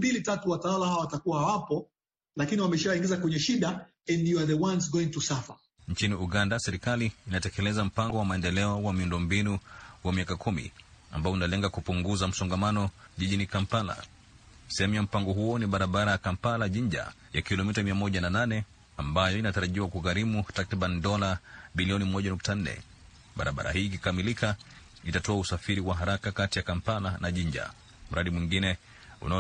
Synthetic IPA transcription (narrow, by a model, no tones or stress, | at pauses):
mbilitatuwatawalahawawatakuwahawapɔ | lakiniwamɛʃawaĩŋɡizakwɛɲɛʃiɗa | ɛndiaðɛwãnsɡɔĩŋtusafa | ɲt͡ʃiniuɠandasɛɾikaliːnatɛkɛlɛzam̩paŋɡɔwamaɛndɛlɛɔwamiundɔmbinuwamiakakʰumḭ | a̰mbaɔunalɛŋɡakupuŋɡuzam̩sɔŋɡamanɔʄiʄinikampala̰̥ | sihamiam̩paŋɡɔɦuɔniɓaɾaɓaɾajakampalaʄiɲd͡ʒa̰jakilɔmitamiamɔʄanananɛ | ambajɔinataɾaʄiwakuɣaɾimutakɾiɓanidɔlaɓiliɔnimɔʄanuktan̩nɛ̰ | ɓa̰ɾʔa̰ɓa̰ɾa̰hiːkikamilika | itatɔausafiɾiwaɦaɾakakatijakampalanaʄiɲd͡ʒa̰ | m̩ɾaɗimwiŋɡinɛ | ṵna